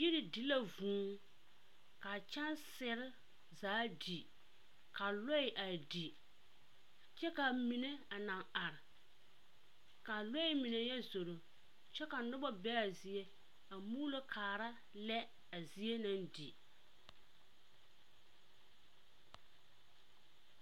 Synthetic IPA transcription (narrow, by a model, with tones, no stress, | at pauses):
ji˦ɾɪ˨di˨la˦vũː˨˦ | ka˨t͡ʃa˦nsɪ˦ɾɪ˦ | zaː˨˦di˨ | ka˨lɔ˦ɪ˨ʔa˨di˨ | t͡ʃɛ˦ka˨mi˨ne˦a˨nã˨ŋa˨ɾɪ˨ | ka˨lo˦ɪ˦mi˨ne˨jɛ˦zo˨ɾo˨ | t͡ʃɛ˦ka˨nʊ˦bɔ˦bɛ˦a˨zi˦e˦ | a˨muː˦lo˦kʰaː˨ɾa˦ | lɛ˦ | a˨zi˦e˦na˨ndḭ˨